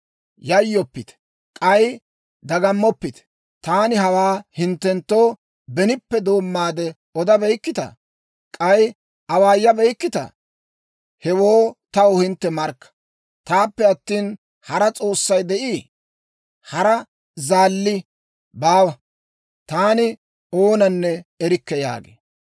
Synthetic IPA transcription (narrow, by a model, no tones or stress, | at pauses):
jɐjːɔpːɪt̪ɛ̥ | kʼɐj | d̪ɐɡɐmːɔpːɪt̪ɛ̥ | t̪aːnɪhɐwaːhɪnt̪ːɛnt̪ːo̞ː | bɛnɪpːɛd̪o̞ːmːaːd̪ɛ | ɔd̪ɐbɛjkːɪt̪ɐ̰ | kʼɐj | ʔɐwaːjːɐbɛjkːɪt̪ɐ̰ | hɛwoːt̪ɐwʊɔhɪnt̪ːɛmɐɾkːɐ̥ | t̪aːpːɛɐt̪ːiːn | hɐɾɐt͡sʼo̞ːsːɐjd̪ɛʔiː | hɐɾɐ | zaːlːɪ | baːwɐ | t̪aːnɪ | oːnɐnːɛɛɾɪkːɛja̰ːɡḛː